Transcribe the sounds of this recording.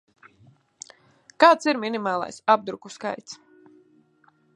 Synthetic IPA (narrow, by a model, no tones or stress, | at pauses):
kaːt̪siɾminimɑːlˠa̰jsab̚d̪ɾukuska̰jt̪s